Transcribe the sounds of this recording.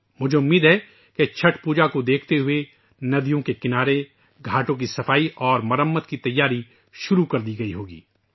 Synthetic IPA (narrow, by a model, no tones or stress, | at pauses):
mʊd͡ʒʱeʊmːiːd̪ɦɛː | ket͡ʃʰɐʈʰpuːd͡ʒakod̪eːkʰt̪eɦʊe | nɐd̪ijõkekɪnaːɾe | ɡʱaːʈõk̬isɐfʰaːiʔɔːɾmɐɾəmːət̪kit̪ɐjːaːɾi | ʃʊɾukɐɾd̪iɡɐiɦoːɡḭː